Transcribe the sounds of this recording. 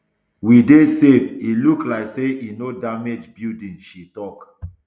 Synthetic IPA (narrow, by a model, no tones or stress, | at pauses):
widesefiluklaɪkseinodamed͡ʒbildĩnʃitɔk